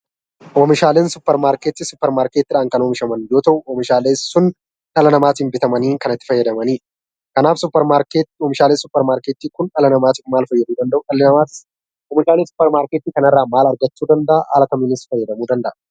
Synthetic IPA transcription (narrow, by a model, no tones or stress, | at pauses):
ʔomɪʃaːleːnsʊpːɛɾmaːɾket̪ɪsʊpːɛɾmaːɾket̪ːɪᶑaːŋkɐnoːmɪʃɐmɐnjo̞ːt̪ɐʔʊɔmɪʃaːleːsːʊn | ᶑɐlɐnɐmaːt̪iːmbɪt̪ɐmɐniːkɐnɐt̪ːɪ̥fɐjːɐd̪ɐmɐniːᶑ | kɐnaːfsʊpːɛɾmaːɾket̪oːmɪʃaːlesʊpːɛɾmaːɾkeːt̪ːiːkʊnᶑɐlɐnɐmaːt̪ɪmaːlfɐjːɐd̪uːd̪ɐnd̪ɐʔʊᶑɐlɪɐat̪ɪ̥s | ɔmɪʃaːleːsʊ̥pːɛɾmaːɾkeːt̪ːiːkɐnɐrːaːmaːlɐɾɡɐt͡ʃːuːd̪ɐnd̪ɐʔaa̰ːlɐk̪ɐmɪnɪsfɐjːɐd̪ɐmuːd̪ɐnd̪ɐʔɐ